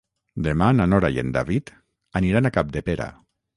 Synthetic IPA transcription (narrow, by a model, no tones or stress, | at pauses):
d̪emananɔɾajḛnd̪a̰βit̪ | aniɾanakap̚d̪epeɾa̰